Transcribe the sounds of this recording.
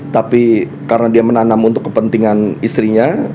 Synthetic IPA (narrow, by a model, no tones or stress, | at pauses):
t̪api | kaɾənadiamənanamunt̪ʊkːəpənt̪iŋanist̪ɾiɲa